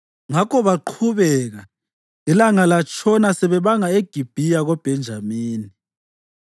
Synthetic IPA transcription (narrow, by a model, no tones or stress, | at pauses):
ŋakʰɔβaǃʰuβɛɣa | ilaŋalat͡ʃʰʼɔnasɛβɛβaŋaeɡ̥ʱib̥ʱijaɣɔb̥ʱɛnd͡ʒʱamiːni